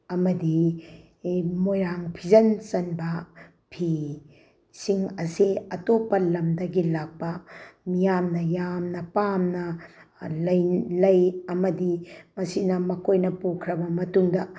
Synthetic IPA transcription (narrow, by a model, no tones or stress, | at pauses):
ɐmɐdi | mojɾaŋpʰizɐnt͡ʃɐnbɐ | pʰi | siŋɐsiɐtopːɐlɐmdɐɡilak̚pɐmijamnɐjamnɐpamnɐ | lɐjlɐjɐmɐdimɐsinɐmɐkʰojnɐpukʰɾɐbɐmɐtuŋdɐ